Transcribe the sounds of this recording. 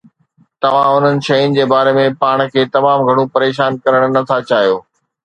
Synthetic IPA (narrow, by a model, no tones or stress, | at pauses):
t̪ɐʋ̤ãʊn̤ənɪ̆ʃɐjʊnɪ̆d͡ʑeːbaːɾemẽpaːɽ̃kʰeːt̪ɐmaːmɡʱɐɽ̃ũpɐɾeːʃaːnkɐɾəɽ̃nɐt̪ʰat͡ɕaːɦijoː